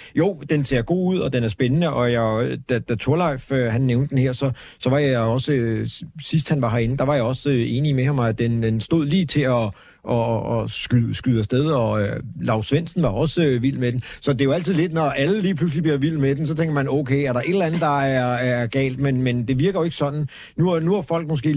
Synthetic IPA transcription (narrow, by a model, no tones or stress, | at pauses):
jo̝ʊ̰d̥ense̝ɐɡ̥o̝̰ːuð̞̰ˠɒ̽d̥enæɐsb̥enənəʔɒ̽jad̥æd̥æt͡sʰo̝ɐlɑ̈ɪ̰føɦænːeʊnd̥əd̥enheɐ̰sɒ̽ | sɒ̽ʋɑ̈jɑ̈ɒ̽səsisd̥hænʋɑ̈ɦæɐe̝nəd̥ɑ̈ʋɑ̈jɑ̈ɒ̽se̝ːnimehɑmɑ̈ɪædd̥en̥ensd̥o̝ð̞̰ˠliːt͡sʰe̝ɒ | ʔɒsɡ̥ysɡ̥yðˠɐsd̥eð̞ˠɒ̽lɑ̈ʊsʋen̰sn̩ʋɑ̈ɒ̽səʋil̰med̥ensɒ̽d̥e̝jo̝æl̰t͡sʰiðˠle̝d̥nɒʔæləliːpʰlus̬lib̥liɐʋil̰med̥en̩sɒ̽t͡sʰeŋɡ̥ɐmænɔʊkʰeɪæɐɾɑ̈ʔe̝d̥l̩ænð̩ˠd̥ɑ̈æɐæɡ̥ɛ̰ːld̥menmend̥e̝ʋiɐɡ̥ɐjoe̝ɡ̥ə̥sɒ̽d̥n̩ | nunuæfɒ̽l̰ɡ̥̚mɒsɡ̥e̝̰ː